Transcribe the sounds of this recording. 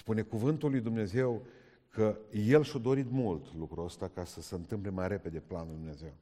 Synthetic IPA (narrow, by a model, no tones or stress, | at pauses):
spune̞kuvɨnt̪ulːujd̪umne̞ze̞w | kʰəje̞lʃad̪o̞ɾit̪mult̪lukɾuəst̪akasəseɨnt̪ɨmple̞majɾe̞pe̞d̪e̞planulijd̪umneze̞w